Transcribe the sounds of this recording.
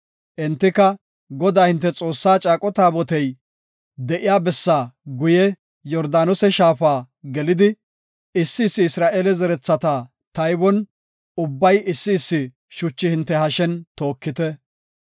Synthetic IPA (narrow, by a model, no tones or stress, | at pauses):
ʔɛnt̪ːɪkɐ | ɡɔd̪aːhɪnt̪ːɛt͡sʼo̞ːsːaːt͡ʃʼaːkʼɔt̪aːbɔt̪ɛj | d̪ɛʔɪjaːbɛsːaːɡʊjɛ | jɔɾd̪aːnɔsɛʃaːfaː | ɡɛlɪd̪ɪ | ɪsːɪːsːɪɪsɾaːʔeːlɛzɛɾɛt͡sːɐt̪a | t̪ɐjbɔn | ʊbːɐjɪsːɪːsːɪ | ʃʊt͡ʃːɪhɪnt̪ːɛhɐʃɛnt̪o̞ːkːɪt̪ɛ